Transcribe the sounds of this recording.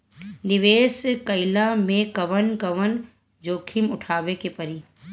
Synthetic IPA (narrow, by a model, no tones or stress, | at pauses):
nɪʋeːskɐɪlamẽkɐʋənkɐʋən | d͡ʒoːkʰimʊʈʰaːʋekepɐɾi